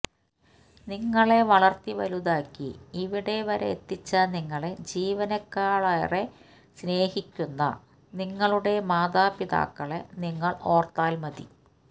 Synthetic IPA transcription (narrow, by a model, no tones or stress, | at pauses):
niŋːɐɭe̞ʋɐɭɐrt̪iʋɐ̰luðaːkʲːiːʋiɽe̞ʋɐɾḛet̪ːit͡ɕːɐniŋːɐɭed͡ʑiːʋɐnɐkːaːɭɐjɐ̰re | sne̞ːhikʲːunːɐ̰ | niŋːɐɭuɽe̞maːd̪aːpiða̰ːkːɐɭeniŋːɐɭo̞ːrt̪aːlmɐðḭ